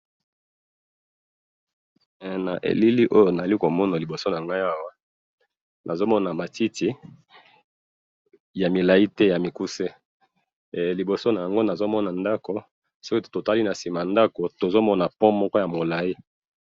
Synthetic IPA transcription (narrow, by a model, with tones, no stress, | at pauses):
na̰˨ʔḛ˨li˦li˦ʔo˦jo˨na˨a˨li˦ko˨mɔ˦na˨li˨bo˨so˦na˨ŋɡa˦ja˦wa˦ | nʔa˨zo˦mɔ˦na˨ma˨ti˦ti˦ | ja˨mi˨la˨i˦tɛ˦ja˨mi˨ku˦se˦˨ | li˨bo˨so˦na˨ja˨ŋɡo˦na˨zo˦mɔ˦na˨nda˦ko˨ | so˦ki˦˨to˨ta˦li˦na˨si˨ma˨nda˦ko˨to˨zo˦mɔ˦na˨pɔ˦mɔ˦kɔ˦ja˨mo˨la˨ji˦